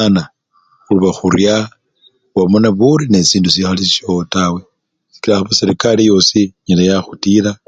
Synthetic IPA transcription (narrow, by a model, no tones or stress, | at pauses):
ana | uluβaxuɾja | wamonaβuɾine̞siːndusixalisʃotawe | si̥kilaxaβasiɾikalijo̞siɲilajaxutila